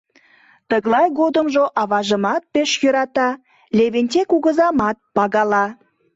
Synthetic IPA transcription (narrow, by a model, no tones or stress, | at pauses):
t̪əɣlɑjɣod̪əmʒoʔɑβɑʒəmɑt̪̚peʃjøɾɑt̪ɑ | lʲeβenʲtʲekuɣə̆zɑmɑt̪̚pɑɣɑlɑ